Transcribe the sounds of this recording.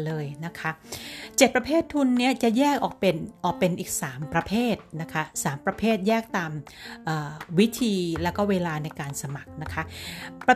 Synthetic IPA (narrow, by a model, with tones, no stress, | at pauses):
lɤː˧jna˦˥kʰa˦˥t͡ɕe˨˩t̪̚pɾa˧pʰeː˥˩t̪ʰːu˧nːi˦˥ɐt͡ɕa˨˩jɛː˥˩kʔɔː˨˩k̚pe˧nʔɔː˨˩k̚pe˧nʔiː˨˩k̚saː˩˦mpɾa˧pʰeː˥˩t̪̚na˦˥kʰa˦˥saː˩˦mpɾa˧pʰeː˥˩t̪̚jɛː˥˩k̚t̪aː˧mʔaː˨˩wi˦˥t̪ʰiː˧lɛː˦˥wkɔː˥˩weː˧laː˧na˧jkaː˧nsa˧ma˨˩k̚na˦˥kʰa˦˥pa˧